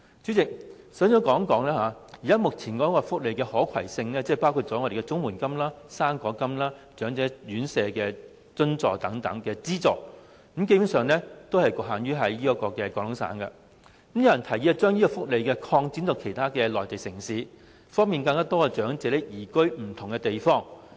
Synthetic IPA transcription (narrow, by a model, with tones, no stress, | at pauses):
t͡ʃyː˨˥t͡sɪ˨k̚ | sœː˨˥ŋjɔː˨˧˥kɔː˨˥ŋkɔː˨˥ŋlɛː˥haː˨˧jiː˨kaː˥mʊ˨k̚t͡sʰiː˨˩nkɔ˨˥kɔː˧fʊ˥k̚le˨jkɛː˧hɔː˨˥kʰɐ̰˨˩jsɪ˧ŋlɛː˥t͡sɛ˥˨paː˥wkʰu˧t̚t͡sɔː˨˥ɔ˨˧ɾe˨˩kɛ˧t͡sʊ˥ŋmwuː˨˩nkɐ˥mlaː˥saː˥nkɔː˨˥kɐ˥mlaː˥t͡ʃœː˨˥ŋt͡sɛː˨˥jyː˨˥nsɛː˨˧kɛː˧ | t͡sɵ˥nt͡sɔː˨k̚t̪ɐ˨˧˥ŋt̪ɐ˨˧˥ŋkɛː˧t͡siː˥t͡sɔː˨k̚ | k̩˨˧˥mk̬e˥ju˨˥ŋsœː˨˧ŋlɛː˥t̪o˥whɐ˨jkʊ˨˧ɦaː˨˩nɥyː˥ɦɐ˨˥jjiː˥ɐ˧kːɔː˧kɛː˧kɔː˨˧ŋlʊ˨˥ŋsa̰ː˨˥nkɐ̰˧ | k̩˧˥mjɐ˨wjɐ˨˩nt̪ʰɐ˨˩jiː˨˧ɐ˨˧t͡ʃœː˥ŋji˥kɔː˧fʊ˥k̚le˨jkɛː˧kʰɔː˧ŋt͡siː˨˥nt̪o˨˧wkʰe˨˩jt̪ʰaː˥kɛː˧lɔː˨jt̪e˨jsɪ˨˩ŋsiː˨˥ | fɔː˥ŋmiː˨nkɐ˧ŋkaː˥t̪ɔː˥kɔ˧t͡ʃœː˨˥ŋt͡sɛː˨˥lɪ˨˥jiː˨˩kɵ˥ɥm̩˨˩t̪ʰʊ˨˩ŋkɛ˧t̪e˨jfɔː˥ŋ